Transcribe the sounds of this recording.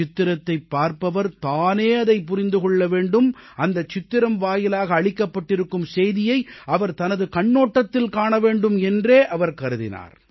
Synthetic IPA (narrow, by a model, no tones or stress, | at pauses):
ɪt̪ːɪɾɐt̪ːɐɪpːaːɾpɐʋɐɾt̪aːneːɐðɐɪpʊɾɪnd̪ɯkɔɭːɐʋeːɳɖɯmɐnd̪ɐt͡ʃɪt̪ːɪɾɐmʋaːjɪlaːɣɐːɭɪkːɐpːɐʈːɪɾɯkːɯmsɛjðɪjɐɪɐʋɐɾt̪ɐnɐðɯkɐɳːoːʈːɐt̪ːɪlkaːɳɐʋeːɳɖɯmɛndreːʔɐʋɐɾkɐɾɯðɪ̰na̰ːɾ